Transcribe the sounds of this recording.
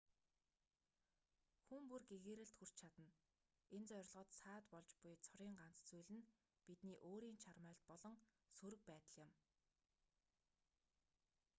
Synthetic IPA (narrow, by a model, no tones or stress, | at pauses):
xumpurɡeɣeːɾɘ̆ɬt̪xur̥t͡ɕt͡ɕʰat̪ə̆n | ent͡sœɾ̆ʲɮʁɞ̆ːt̪saːt̪pɔɮt͡ɕpʊjt͡sʰɔɾiːɴɢan̥t͡st͡sujɮɘ̆n | pit̪niːʔoːɾiːnt͡ɕʰarmœːɮt̪̚pɔɮɞ̆ŋ | suɾɘ̆k̚pæːt̪ə̆ɮjɪ̆m